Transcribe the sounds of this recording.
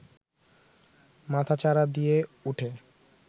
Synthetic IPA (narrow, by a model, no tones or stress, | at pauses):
mat̪ʰat͡ɕaɾad̪ijeuʈʰe